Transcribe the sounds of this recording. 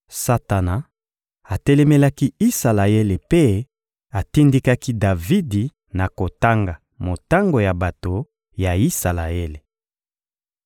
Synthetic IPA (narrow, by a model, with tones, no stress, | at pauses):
sa˦ta˨na˨ | a˨tɛ˦lɛ˦me˦la˦ki˦i˦sa˨la˨e˦le˨pe˦ | a˨ti˦ndi˦ka˦ki˦da˨vi˦di˨ | na˨ko˨ta˦ŋɡa˨ | mo˨ta˦ŋɡo˨ja˨ba˨to˨ | ja˨i˦sa˨la˨e˦le˨